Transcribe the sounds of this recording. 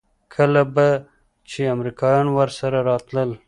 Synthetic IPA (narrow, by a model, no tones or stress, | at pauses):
kʰəlaba | t͡ʃeamɾikɑjɑnwəɾsaɾaɾɑt̪ləl